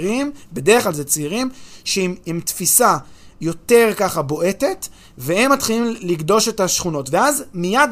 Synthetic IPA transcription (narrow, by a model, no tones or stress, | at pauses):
ʁimbe̞deʁeχlalzet͡seiʁimʃeimemtfisajo̞t̪e̞ʁkaχabo̞ʔe̞te̞t | vehemːat̪χilimliɡdo̞ʃe̞taʃχuno̞tveazmijad